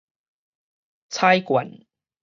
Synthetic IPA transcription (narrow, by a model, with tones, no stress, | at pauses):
t͡sʰa˦˥jkwa˨˩˦n